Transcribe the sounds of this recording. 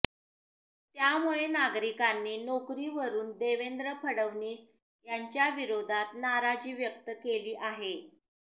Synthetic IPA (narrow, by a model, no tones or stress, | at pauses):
t̪jamuɭenaɡɾikanːiːnokɾiːʋəɾuːnd̪eʋend̪ɾəpʰəɽəʋniːs | jaɲt͡ɕjaʋiɾod̪ʱat̪̚naɾad͡ʑiːʋjək̚t̪əkeliːʔaɦe